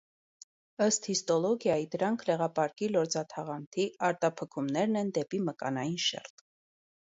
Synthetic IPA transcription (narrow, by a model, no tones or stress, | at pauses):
əst̪hist̪ɔlɔɡjɑjid̪əɾɑŋkʰlɛʁɑpɑɾkilɔɾd͡zɑt̪ʰɑʁɑnt̪ʰiɑɾt̪ɑpʰəkʰumnɛɾnɛnd̪ɛpiməkɑ̰nɑjinʃɛ̰rt̪